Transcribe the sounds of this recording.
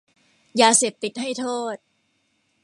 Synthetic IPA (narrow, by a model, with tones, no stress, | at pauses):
jaː˧seː˨˩p̚t̪i˨˩t̪̚ɦa˥˩jt̪ʰoː˥˩t̪̚